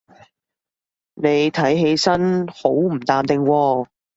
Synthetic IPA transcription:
ne˨˧jt̪ʰɐ˨˥jɦe˨˧jsɐ˥nho˨˥wm̩˨˩t̪aː˨˧mt̪ɪ˨ŋwɔː˧

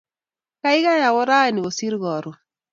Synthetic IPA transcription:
ka˦ɪ˦ɡa˦ja˨wɔ˦ɾa˦˨ni˨o˨si˦ɾɣɔ˨ɾʊ˨

